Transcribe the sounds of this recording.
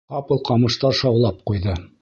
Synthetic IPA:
qɑpɤlˠqɑmɤ̆ʃt̪ɑɾʃɑwlˠɑp̚qujðɤ

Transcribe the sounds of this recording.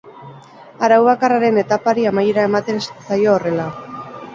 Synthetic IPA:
aɾawβakaraɾe̞ne̞t̪apaɾiamajeɾae̞mat̪e̞ssajo̞ːre̞la

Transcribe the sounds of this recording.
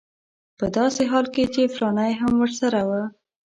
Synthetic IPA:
pəd̪ɑseɦɑlket͡ʃefɾɑnajɦamwəɾsaɾawə

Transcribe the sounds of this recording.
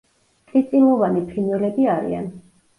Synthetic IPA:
kʼit̪sʼilˠɔvanipʰinɛlɛbiaɾḭa̰n

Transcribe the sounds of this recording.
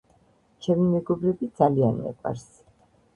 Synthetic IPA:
t͡ʃʰɛmimɛɡɔbɾɛbid̪zalianɛ̰qʼa̰ɾs

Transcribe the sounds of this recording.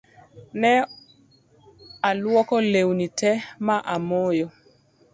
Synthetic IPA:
nɛ | alwɔkɔlewnitɛmaʔamojɔ

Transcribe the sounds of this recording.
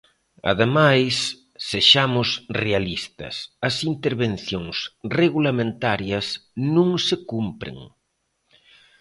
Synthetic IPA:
ɐ̰ðemajsː | eʃamʊsrealist̪ɐ̰sɐsint̪eɾβen̟θjoŋsreɣulamẽnt̪aɾjɐsnũŋsekumpɾḛŋ

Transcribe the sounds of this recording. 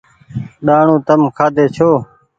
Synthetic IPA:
ɗaːɳũːt̪əmkʰaːd̪ʱeːt͡ʃʰoː

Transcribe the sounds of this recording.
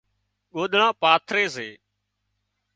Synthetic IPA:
ɠoːɗ̪ɳãːpaːt̪ʰɾeːseː

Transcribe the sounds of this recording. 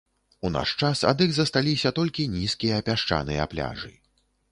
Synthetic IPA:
una̰ʂt͡ʂasa̰d̪ɨɣzɐst̪alʲisʲɐt̪ɔlʲkʲinʲiskʲijɐːpʲaʂt͡ʂa̰nɨjɐ̰aplʲa̰ʐɨ̰

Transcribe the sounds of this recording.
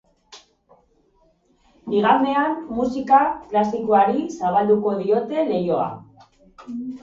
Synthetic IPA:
biɣ̞and̪e̞anːusikaklasiko̞aɾisaβ̞ald̪uko̞ðio̞t̪e̞le̞jo̞a̰

